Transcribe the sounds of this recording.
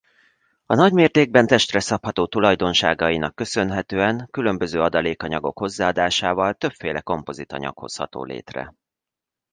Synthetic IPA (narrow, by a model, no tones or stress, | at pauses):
ɒnɒɟmeːrt̪eːɡ̚bɛnt̪ɛʃt̪rɛsɒphɒt̪oːt̪ulɒjd̪o̞nʃaːɡɒjinɒkːø̞sø̞nɦɛt̪øːɛŋkylø̞mbø̞zøːɒd̪ɒleːkɒɲɒɡo̞̰kho̞zːaːɒd̪aːʃaːvɒlt̪ø̞pfeːlɛko̞mpo̞zit̪ɒ̰ɲɒ̰kho̞̰shɒ̰t̪o̰ːlḛːt̪rɛ̰